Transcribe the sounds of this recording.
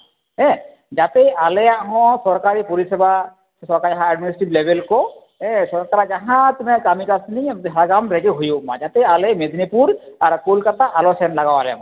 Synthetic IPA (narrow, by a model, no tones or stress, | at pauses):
ɛ̃ | d͡ʒat̪ɛjʔalɛjaʔɦɔ̃sɔɾkaɾipoɾisɛba | sɔɾkaɾiaɦãɛɖminisiʈiblebelkɔ | ɛ̃sɔɾkaɾad͡ʒaɦãt̪mɛkamikasniɦaɡamɾɛɡeɦujuma̰d͡ʒat̪ɛjalɛmed̪ʱnipuɾaɾkolkat̪aʔalɔsɛnlaɡawalɛama